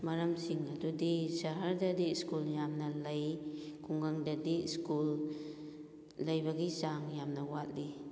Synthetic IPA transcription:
mɐɾamsiŋɐdudisaɦaɾdadiskuljamnɐlajkʰuŋɡaŋdadiskul | lɐjbaɡizaŋjamnɐwat̚li

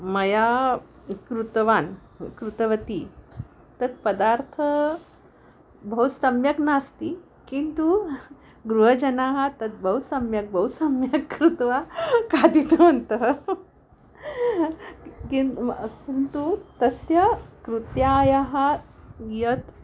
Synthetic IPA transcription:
mɐja | kɾut̪ʋan | kɾut̪əʋət̪i | t̪ɐt̪̚pəd̪aɾt̪ʰə | bʱəɦut̪səmjəknast̪i | kint̪u | ɡɾuɦəd͡ʑɐnaɦat̪ɐt̪̚bʱəɦusɐmjək̚bʱəusɐmjəkːɾut̪ʋakad̪it̪ənt̪ə | kinkint̪ut̪əsjakɾut̪jajaɦajət̪

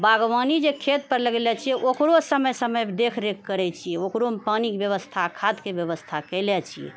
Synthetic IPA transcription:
baɡʋanid͡ʒekʰet̪̚pəɾləɡlɛt͡ʃʰijɛʔokɾosəməjsəməjd̪ekʰɾekkːəɾɛt͡ʃʰijɛokɾompanikbjəʋəst̪ʰakʰad̪kebjəʋəst̪ʰakəjlɛt͡ʃʰijɛ̰

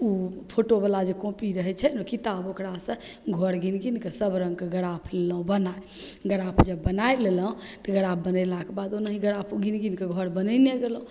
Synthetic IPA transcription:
upʰoʈobəlad͡ʒekõpiɾəɦɛt͡ʃʰɛnokit̪abokɾasə̃ɡʱɔɾɡinɡinkesəbɾə̃ŋɡkeɡəɽapʰleləɦũbənaeɡəɽapʰd͡ʒəbːənajleləɦũt̪əɡəɽap̚ʰbənəlakebad̪onəɦiɡəɽapʰɡinɡinkeɡʱɔɾbənəneɡelɦũ

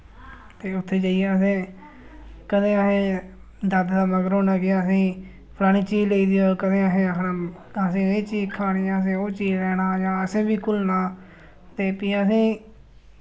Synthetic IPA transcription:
t̪eːʊt̪ʰːeːd͡ʒəːijaəsẽː | kəd̪ẽːəɦẽː | d̪əd̪d̪aːməɡəɾoːnaːɡɪaːəsĩː | pʰlaːɽ̃ĩːt͡ʃiːd͡ʒleiːd̪ioːkəd̪ẽːəɦẽːəkʰnaː | sĩːeːt͡ʃiːkʰaːɽ̃iːãːəs̬ẽːoːt͡ʃiːd͡ʒɾɛːnaːjãːəsẽːbiːkʊlnãː | t̪eːpiːəs̬ĩː

